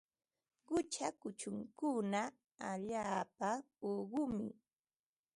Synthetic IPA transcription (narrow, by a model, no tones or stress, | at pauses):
ɢʊt͡ʃakʊt͡ʃʊŋkʊna | aʎaːpa | oɢʊmɪ̰